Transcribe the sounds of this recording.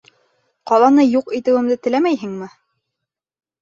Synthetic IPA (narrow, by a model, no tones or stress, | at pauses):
qɑlˠɑnɤjuqit̪ɘ̆wɘ̆md̪ɘt̪ɘ̆læmæjɦɘ̆ŋmɘ